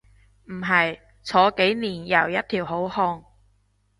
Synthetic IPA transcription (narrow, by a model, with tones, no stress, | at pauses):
m̩˨˩ɦɐ˨j | t͡sʰɔː˨˧ke˨˥jniː˨˩njɐ˨˩wjɐ˥t̚t̪ʰiː˨˩wɦo˨˥whɔː˧ŋ